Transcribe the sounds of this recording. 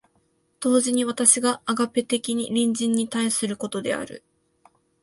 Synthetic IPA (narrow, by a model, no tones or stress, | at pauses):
d̪̥o̞ːʑiɲ̟iβat̪aɕiɡaːɡape̞t̪e̞kʲiɲ̟ḭɾʲĩɲ̟d͡ʑĩɲ̟ːit̪aisɨɾɯ̟ko̞t̪o̞d̪e̞a̰ɾɯ̟̰